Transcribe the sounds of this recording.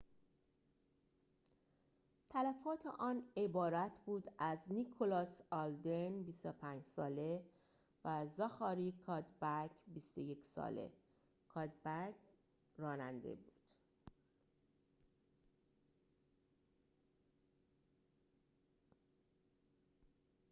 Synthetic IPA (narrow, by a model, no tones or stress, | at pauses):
t̪ʰælæfɒːt̪ʰḛʔɒːne̞bɒːɾæt̪ʰbuːd̪æznikʰolɒːsɒld̪enbist̪opʰæːnd͡ʒsɒːle | væzɒxɒːɾiːkʰɒːd̪bæcʰbist̪oje̞cʰsɒ̰ːle̞̰ | kʰɒːd̪bæk | rɒːnænd̪ḛbuːd̪̥